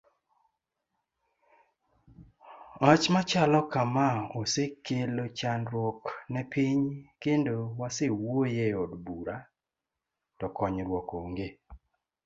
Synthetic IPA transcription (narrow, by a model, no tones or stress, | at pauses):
at͡ʃmat͡ʃalɔkamaosekelot͡ʃanɾwɔknɛpiɲkendowasewojeɔdbuɾa | tɔkɔɲɾwɔkoŋɡe